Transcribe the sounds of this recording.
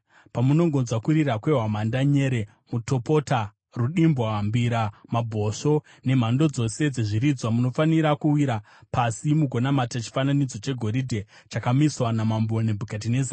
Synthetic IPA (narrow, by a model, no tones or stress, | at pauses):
pamuno̞ŋɡo̞nzwakuɾiɾakwe̞ɦwamandaɲe̞ːɾe̞ | muto̞pota | ruɗimbwambiɾamabʱo̞ʂo̞ | ne̞m̤ando̞d͡zo̞se̞d͡ze̞ʐiɾid͡zwamuno̞faniɾakuwiɾa | pasimuɡʱo̞namatat͡ʃi̥fananid͡zo̞t͡ʃe̞ɡʱo̞ɾidʱe̞ | t͡ʃakamiswanamambonebʱukat̬ineza